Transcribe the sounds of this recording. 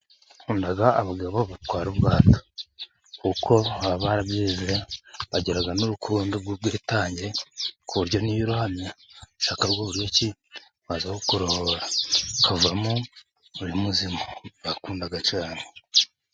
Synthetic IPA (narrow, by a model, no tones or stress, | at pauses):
kuːndaɡaːβaɡaβoβatwaːɾubɡaːto̥ | kuko̞aβaɾaβjiːzeɾaβaɟeɾaɡanuɾukʰuːndoɡubɡiːtaːɲɟiɾekuβuɾɟo̞nijiɾuhamɲaʃaːkaɾɡoβuɾijoci | βazakokuɾohoɾakavamu | uɾimuzimaβakuːndaɡat͡ʃaːne